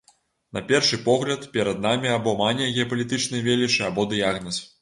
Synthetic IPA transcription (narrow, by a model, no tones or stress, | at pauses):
nɐpʲɛrʂɨpɔɣlʲɐt̪pʲɛɾɐd̪̚namʲiabɔmanʲɛɣʲɛɐpɐlʲit̪ɨt͡ʂnɨjvʲelʲit͡ʂɨabɔd̪ɨjaɣnɐs